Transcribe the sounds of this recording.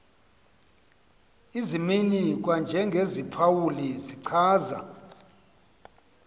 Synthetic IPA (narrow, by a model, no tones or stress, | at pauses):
iziminik̬ʼwand͡ʒʱɛŋɡʱezipʰawuliziǀʰaːza̰